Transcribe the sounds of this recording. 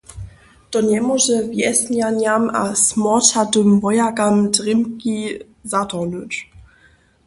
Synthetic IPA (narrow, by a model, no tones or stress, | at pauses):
tɔnɛmɔʒəvjɛsnanjama̰smɔtatəmvɔjakamdʁɪmki | zatɔnət